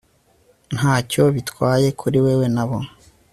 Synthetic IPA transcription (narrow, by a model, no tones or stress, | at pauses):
n̥haːco̞βitkwaːje̞kʰuɾiwewe̞naβo